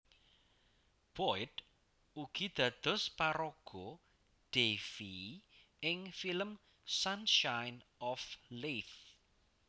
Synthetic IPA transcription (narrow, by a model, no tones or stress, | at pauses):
b̥ɔɪt̪ | uɡ̥id̪̥ä̤d̪̥ɔ̤spaɾoɡ̥ɔ | ɖ̥efi | ɪŋfiləm | sanʃajnɔfleθ